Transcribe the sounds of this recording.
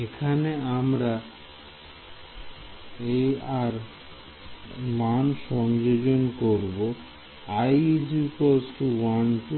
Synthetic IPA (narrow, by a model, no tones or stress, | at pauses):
ekʰaneamɾa | ejaɾ | manʃɔŋd͡ʑod͡ʑonkoɾbo | ajd͡ʑiposʈuwanʈu